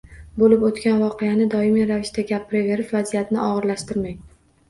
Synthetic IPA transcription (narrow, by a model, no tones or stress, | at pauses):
bolɪpot̪kʲanvɒqʰejanɪd̪ɒɪmiɾavɪʃt̪aɡʲapʰːɪɾɪve̞ɾɪʃvazijat̪nɪʔɒʁɨɾlaʃt̪ɪɾmaŋ